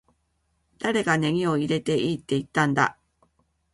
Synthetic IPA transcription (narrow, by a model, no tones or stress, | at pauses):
d̪̥aɾe̞ɡane̞ŋʲio̞iɾe̞t̪e̞ʔiːt̪ːe̞it̪ːãnd̪a̰